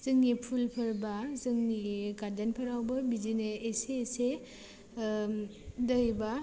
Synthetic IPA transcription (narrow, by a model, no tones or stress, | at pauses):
z̥ɯŋnipʰulpʰɯɾbazɯŋniɡadanpʰaɾawbɯbid͡ʒineeseːse | dɯjba